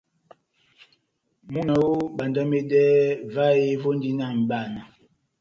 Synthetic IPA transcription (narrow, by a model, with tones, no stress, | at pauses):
mu˦na˨wu˦ɓa˨nda˦me˦dɛː˦va˦je˦vo˦n˦di˦na˦˨m̩˨ɓa˦˨na˨